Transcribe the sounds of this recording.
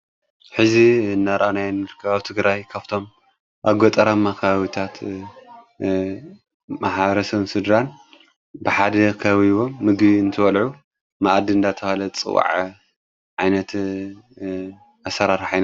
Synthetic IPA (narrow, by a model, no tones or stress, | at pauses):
ħɨzinːaɾʔanajnɨɾkʰɐβaβt̪ʰɨɡɾajkʰaβt̪ʰo̞m | ʔaɡot̪ʼɐɾamːakʰɐβaβit̪ʰat̪ | maħɾɐsɐβsɨd̪ɾan | bɨħad̪ɐkʰɐβiβo̞mːɨɡbiɨnt̪ʰɨβɐlʕu | maʔad̪ɨɨnd̪at̪ʰɐhalɐt͡sʼɨ̰wa̰ʕ | ʕajnɐt̪ | asɐɾaɾħajna